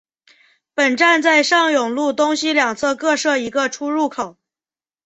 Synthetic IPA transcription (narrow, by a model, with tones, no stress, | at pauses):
pə˨˩nʈ͡ʂa˥˧nt͡sa˥˧ɪʂɑ˥˩ŋjʊ˨˩ŋlu˥˩t̪ʊ˥ŋɕi˥ljɑ˨˩ŋt͡sʰɤ˥˧kɤ˥˧ʂɤ˥˩i˧˥ɡə˧ʈ͡ʂʰu˥ɻu˥˩kʰo˨˩˦ʊ